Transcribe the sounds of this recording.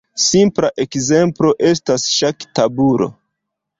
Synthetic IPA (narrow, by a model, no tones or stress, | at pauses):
simplaʔe̞kze̞mplo̞ʔe̞stasʃaktabuɾo̞̰